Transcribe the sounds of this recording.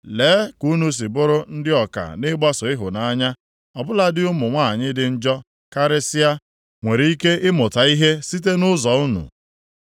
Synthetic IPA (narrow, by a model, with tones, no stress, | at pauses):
leː˨˦ku˦nu˦s̬i˨bʊ˦ɾʊ˦n̩˦dɪ˦ɔ˨ka̰˨nɪ˦ɡ͡ba˦sʊ˨ɪ˦ɦʊ˨na˦ɲa˦ | ɔ˨bʊ˦la˦dɪ˦ʊ˦mʊ˨ŋʷa˦˨a˨ɲɪ˦dɪ˨n̩˦d͡ʒɔ˦ | ka˦ɾɪ˦sɪ˦a˦ | ŋʷe˨ɾi˦i˦ke˦ɪ˦mʊ˨ta˨i˦ɦe˦si˦t̬e˦nʊ˦zɔ˨u˦nṵ˨